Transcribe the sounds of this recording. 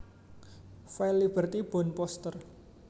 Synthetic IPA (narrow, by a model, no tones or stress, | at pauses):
fɛlib̥ərt̪ib̥ɔ̤npɔst̪ər